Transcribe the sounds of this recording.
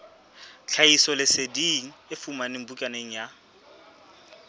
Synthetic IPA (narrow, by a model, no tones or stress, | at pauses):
t͡ɬʰaisɔlɪsediŋ̩ɪfumanɪm̩bukʼaneŋ̩ja